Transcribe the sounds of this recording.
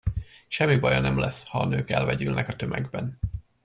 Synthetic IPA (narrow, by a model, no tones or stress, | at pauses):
ʃɛmːibɒjɒnɛmlɛshɒːnøːkɛlvɛɟylnɛkɒt̪ø̞mʔɛɡbɛn